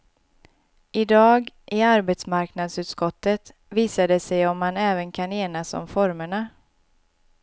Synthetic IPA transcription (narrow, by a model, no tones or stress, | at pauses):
ʔɪd̪ɑːɡ | ʔɪaɾbeːt̪smaɾknad̪sʉːt̪skɔt̪ːət̪ | viːsad̪əsɛjɔmːanɛːvənkʰaneːnasɔ̰mfɔɾməɳa